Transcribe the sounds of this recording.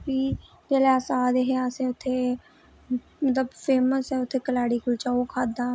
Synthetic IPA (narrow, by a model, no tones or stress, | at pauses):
piː | kelaːsaːd̪eɦɛːaːsɛʊt̪ʰːeː | mət̪ləbfeːməsɦɛːʊt̪ʰːeːkəlaːɽiːkʊlt͡ʃaːokʰaːd̪aː